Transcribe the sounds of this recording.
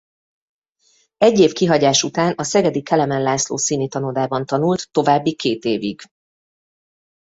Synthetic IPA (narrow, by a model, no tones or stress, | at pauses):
ɛɟːeːfkiɦɒɟaːʃut̪aːnɒsɛɡɛd̪ikʰɛlɛmɛnlaːslo̰ːsiːnit̪ɒnod̪aːbɒnt̪ɒnult̪ːo̞vaːbːikeːt̪eːviɡ̥